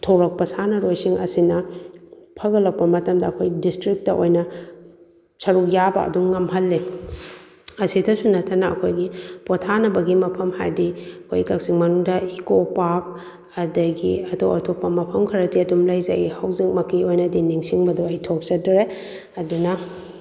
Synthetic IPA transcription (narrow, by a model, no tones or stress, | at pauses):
tʰoɾɐk̚pɐsanɐɾojsiŋʔɐsinɐ | pʰɐɡɐlɐk̚pɐmɐtɐmdɐːkʰojdistɾik̚tɐʔojnɐ | sɐɾuk̚jabɐ̰ɐ̰duŋːɐmɦɐlːi | ɐsidɐsunɐtʰːɐnɐɐ̰kʰojɡipɔtʰanɐbɐɡimɐpʰɐmha̰jdiɐkʰojkɐk̚siŋmɐnuŋdɐikopak̚ | ɐdɐɡiɐtʰo̰wɐtʰok̚pɐmɐpʰɐmkʰɐɾɐtiɐtumlɐjzɐ̰ihɐwzik̚mɐkiojnɐdiniŋsiŋbɐdɔɐjtʰok̚zɐdɾe | ɐdunɐ